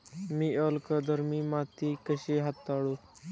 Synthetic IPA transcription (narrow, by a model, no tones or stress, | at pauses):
miːəlkəd̪ʱəɾmiːmat̪ikəɕeɦat̪ːaɽo